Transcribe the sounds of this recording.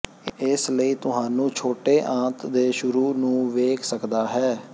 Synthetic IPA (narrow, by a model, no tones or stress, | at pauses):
ɪsləiːt̪ʊɦãːnũːt͡ʃʰoːʈeːʔãːt̪ʰd̪eːʃʊɾuːnũːʋeːkʰsəkd̪aːɦɛː